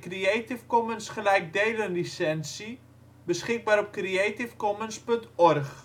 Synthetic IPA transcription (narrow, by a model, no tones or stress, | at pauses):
krieːtɪfkɔmənsχəlɛjk̚dejlənlisɛnsi | bəsχɪk̚baːɾɔp̚krieːtɪfkɔmənspɵntɔrχ